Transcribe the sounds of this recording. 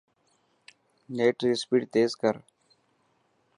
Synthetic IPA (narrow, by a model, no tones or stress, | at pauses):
neːʈɾɪspiːʈt̪eːzkəɾ